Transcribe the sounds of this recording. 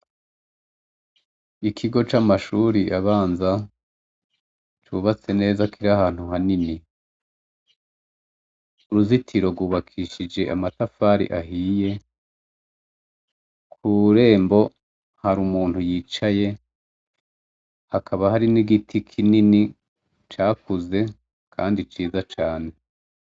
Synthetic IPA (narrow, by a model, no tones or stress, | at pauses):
ikʰiɡo̞t͡ʃamaʃuːɾiʔaβaːnza | t͡ʃuβat͡se̞ne̞ːzakʰiɾahaːn̥huɦanini | uɾuzitʰiɾo̞ɾɡwuːβakʰiːʃid͡ʒe̞ʔa̰matafaːɾḭʔaɦiːje̞ | kʰuɾe̞ːmbo̞ | haɾumuːn̥hujiːt͡ʃaje̞ | hakʰaβahaɾiniɡitʰikʰinini | t͡ʃaːkuze̞ | kʰa̰ːndit͡ʃiːzat͡ʃaːne̞